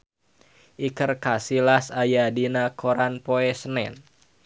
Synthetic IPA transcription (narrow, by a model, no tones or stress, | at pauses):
ʔikərkasilasajadinakʰoɾanpoɛsənɛn